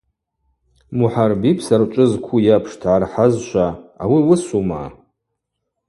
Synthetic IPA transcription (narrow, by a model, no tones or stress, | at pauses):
muħarbipʰsart͡ʃʷʼɨzkʷʰujapʰʂtʰʕarħazʃʷaawiwʊsuma̰